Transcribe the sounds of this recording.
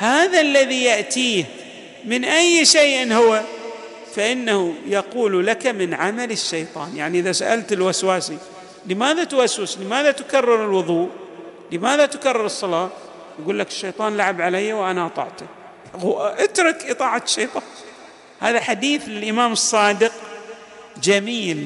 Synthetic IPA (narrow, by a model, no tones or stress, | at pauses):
haːðalːaðijaʔt̪iːh | mɪnʔajːʃejːʔɪnːhʊwa | faʔɪnːahʊjɑquːllakamɪnʕamalɪʃːajt̪ˤɑ̰ːnjaʕniʔɪðasaʔalt̪ɪlwaswaːsi | lɪmaːðat̪waswɪslɪmaːðat̪ʊkarːɪɾɪlwʊðˤuːʔ | ləmaːðat̪karˤːɑɾˤɨsˤːɑlɑː | jɡuːlːakɪ̥ʃːajt̪ˤɑːnlaʕabʕalajːawʔanaʔɑt̪ˤɑ̰ʕt̪a | ʔɪt̪ɾˤɨkʔɨt̪ˤɑːʕaʃːejt̪ˤɑːn | haːðaħad̪iːθlɪlʔɪmaːmɨsˤːɑːd̪ɪq | d͡ʒamiːl